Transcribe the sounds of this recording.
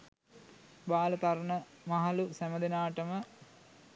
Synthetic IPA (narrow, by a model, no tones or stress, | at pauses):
baːlət̪aɾnəmaɦalusæməd̪enaːʈəmə